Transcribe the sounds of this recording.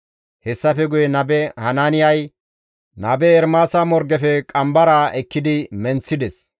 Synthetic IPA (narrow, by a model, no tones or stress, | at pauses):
hɛsːɐfɛɡʊjɛnɐbɛhɐnaːnɪjɐj | nɐbɛɛɾmaːsamɔɾɡɛfɛkʼɐmbɐɾaːʔɛkːɪd̪ɪmɛnt͡sːɪd̪ɛs